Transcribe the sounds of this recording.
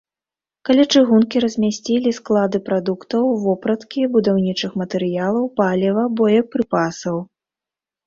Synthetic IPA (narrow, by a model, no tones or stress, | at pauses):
kɐlʲat͡ʂɨɣunkʲiɾɐzʲmʲasʲt͡sʲilʲisklˠad̪ɨpɾad̪ukt̪ɐwvɔpɾɐt̪kʲibud̪awnʲit͡ʂɨxmɐt̪ɛɾɨjalˠɐwpalʲɛvɐbɔjɐk̚pɾɨpasɐw